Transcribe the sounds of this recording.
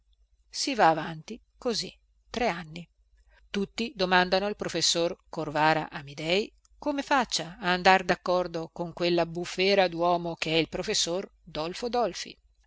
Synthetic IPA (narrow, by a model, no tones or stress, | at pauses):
sivaːvant̪i | kozḭ | t̪ɾeanːi | t̪ut̪ːid̪omand̪anoilpɾofesːorkorvaːɾa̰ʔamid̪ɛj | komefat͡ʃːaːnd̪ard̪akːɔrd̪okoŋkwelːabufːɛːɾad̪wɔːmokeɛilpɾofesːor | d̪ɔlfod̪ɔlfḭ